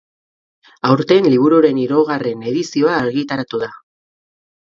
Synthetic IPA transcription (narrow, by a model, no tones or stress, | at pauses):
awɾt̪enliβ̞uɾuɾe̞niɾoɣare̞ne̞ðisio̞aːɾɣit̪aɾat̪uða